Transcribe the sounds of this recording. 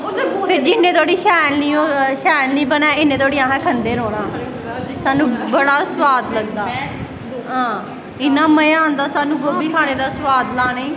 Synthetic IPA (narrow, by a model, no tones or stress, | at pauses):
pʰɪɾd͡ʒɪnːẽːt̪oːɽiːʃaːjlniːoːʃaːjlnĩːbənãːɪnːẽːt̪ʰoːɽiːãːɦɛ̃ːkʰənd̪eːɾoːɽãː | saːnũːbəɽaːswaːt̪ləɡd̪aː | ɦãː | ɪnːãːməjãːnd̪aːsaːnũːɡoːbiːkʰaːneːd̪aːswaːt̪laːneː